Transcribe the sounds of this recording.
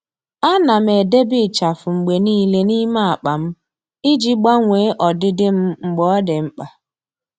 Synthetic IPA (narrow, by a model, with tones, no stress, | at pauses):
a˦na˨m̩˨e˨de˦bi˦˨t͡ʃa˨fʊ˨ŋ͡m̩˨ɡ͡be˨niː˦le˦ni˦ma˦a˨k͡pa˨m̩˦ | i˦d͡ʒi˦ɡ͡ba˦ŋʷeː˨˦ʔɔ˨dɪ˦dɪ˦m̩˦ŋ͡m̩˨ɡ͡bɔ˨˦dɪ˨ŋ͡m̩˦k͡pa˨